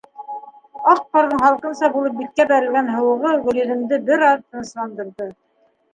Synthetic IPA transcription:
ɑq̚qŏɾðɤɴχɑlˠqɤ̆nsɑbulˠɤp̚bit̪̚kæbæɾɘ̆lɡænɦɤ̆wɤ̆ʁɤʁɵ̆lɵ̆ðɘ̆md̪ɘbɘɾɑðt̪ɤ̆nɤ̆ʃlˠɑnd̪ɤ̆ɾðɤ

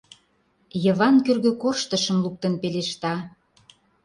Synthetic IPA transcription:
jə̆βɑnkørɣøkoʃt̪ə̆ʃə̆mlup̚t̪ənpeleʃt̪ɑ

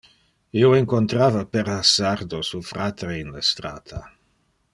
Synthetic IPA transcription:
ioeŋkont̪ɾaːvapeɾasard̪osufɾaːt̪ɾeinlest̪ɾaːt̪ʰa̰

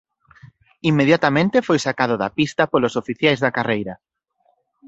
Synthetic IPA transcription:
imːeðjat̪amẽnt̪ɪefojsakaðʊðɐpist̪ɐpolosofiθjajzðɐkarejɾɐ

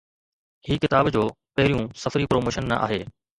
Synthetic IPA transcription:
hiːkɪt̪aːbd͡ʑoː | pɐɦɪɾijũsɐfɾipɾoːmoːʃənːɐ̰ʔa̰ːɦeː

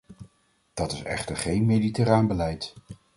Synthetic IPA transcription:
d̥ɑtɪsɛ̰χtəɹχejnmejditəraːnbəlɛjt

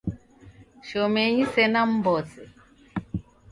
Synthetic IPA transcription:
ʃɔmɛɲisɛnam̩bɔsɛ

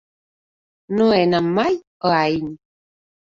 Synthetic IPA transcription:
noɛnamaj | əain

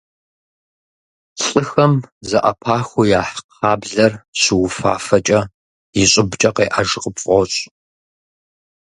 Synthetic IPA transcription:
ɬʼɨxɐmzɐʔɐ̰pʰaːxʷujaːħqʰaːbɮɐrɕɪwʊfa̰ːfɐt͡ʃʼɐ | jɪɕʼɪbt͡ʃʼɐqeːʔaʒqəpfʼɔɕʼ

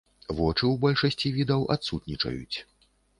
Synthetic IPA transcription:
vɔt͡ʂɨwbɔlʲʂɐsʲt͡sʲivʲid̪ɐwʔa̰t̪sut̪nʲit͡ʂɐ̰jṵt͡sʲ

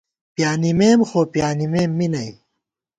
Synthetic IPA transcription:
pjaːnimeːmxoːpjaːnimeːmːinɐj

